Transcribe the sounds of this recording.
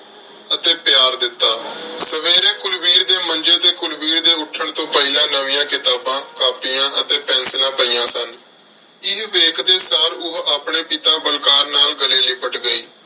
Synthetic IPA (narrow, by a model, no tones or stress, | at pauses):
ət̪eːpɪjaːɾd̪ɪt̪ːaːsəʋeːɾẽːkʊlbiːɾd̪eːmənd͡ʒeːt̪eːkʊlbiːɾd̪eːʊʈʰːəɳt̪õːpəɪlãːnəʋɪːãːkɪt̪aːbãːkaːpiːãːʔət̪eːpɛ̃ːnslãːpəiːãːsən | ɪɦʋeːkʰd̪eːsaːɾʊɦaːpɳeːpɪt̪ãːbəlkaːɾnaːlɡəleːliːbəʈɡəiː